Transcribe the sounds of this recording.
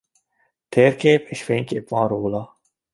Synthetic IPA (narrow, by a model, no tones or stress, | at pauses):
t̪ʰeːɾkʰeːpʰeʃfeːnkeːpɑ̃ːɾoːlaː